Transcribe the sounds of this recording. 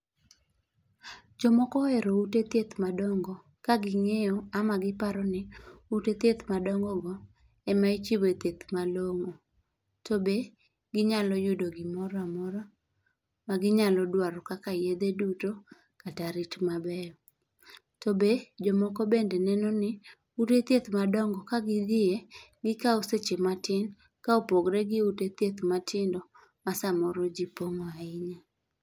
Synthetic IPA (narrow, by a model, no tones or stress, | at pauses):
d͡ʒɔmɔkɔɛɾoutet̪jet̪madɔŋɡɔ | kaɡɪŋejɔamaɡɪpaɾɔnɪutet̪et̪madɔŋɡɔɡɔ | ɛmait͡ʃibot̪et̪maloŋo | tobe | ɡɪɲalɔjʊdoɡɪmɔɾɔamɔɾɔ | maɡɪɲalɔdwaɾɔkakajed̪eduto | kataɾɪtmabɛjɔ | tobed͡ʒɔmɔkɔbendɛnɛnɔnɪ | utet̪jet̪madɔŋɡɔkaɡɪd̪ɪeɡɪkaoset͡ʃematɪn | kaopoɡɾɛɡɪutet̪jet̪matʰɪndɔ | masamɔɾɔd͡ʒipoŋɔaɪɲa